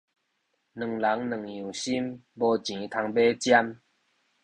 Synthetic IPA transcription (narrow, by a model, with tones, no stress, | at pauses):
nɨ˨˩ŋla˨˦ŋnɨ̃˨˩ŋjũ˨˩ɕi˦mbɔ˧t͡ɕĩ˨˦t̪ʰa˧ŋbe˦t͡ɕja˦m